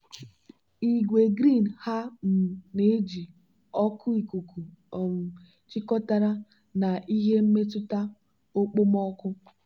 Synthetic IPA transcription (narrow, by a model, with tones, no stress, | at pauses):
i˨ɡʷe˨ɡɾi˦˨n̩˨ha˦m̩˨ne˨˦d͡ʒi˨ | ɔ˦kʰʊ˦i˨ku˨ku˨m̩˨ | t͡ʃɪ˦kɔ˦ta˦ɾa˦ | na˨ʔi˦ɦe˦m̩˦me˦tʊ˦ta˦ | o˦k͡po˦mɔ˦kʊ˦